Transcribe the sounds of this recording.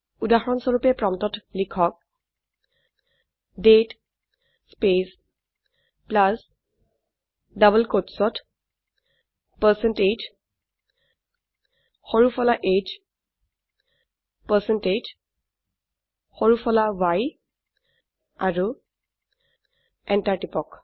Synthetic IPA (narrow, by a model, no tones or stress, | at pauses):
udaɦɔɹɔnsɔɹupɛpɹɔmtɔtlikʰɔk̚ | det | spes | plas | dabəlkotsɔt | pəsɛnted͡ʒ | hɔɹupʰɔlaʔed͡ʒ | pəsɛnted͡ʒ | xɔɹupʰɔlawaj | aɹu | ɛnʈaɹʈipɔk